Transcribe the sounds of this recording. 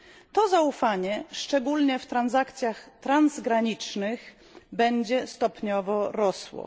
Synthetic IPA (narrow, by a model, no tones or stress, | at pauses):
t̪ɔzaufaɲɛʂt͡ʂɛɡulɲɛft̪ɾanzakt̪sʲjaxt̪ɾanzɡɾaɲit͡ʂnɘx | bɛɲd͡ʑɛst̪ɔpɲɔvɔɾɔswɔ̰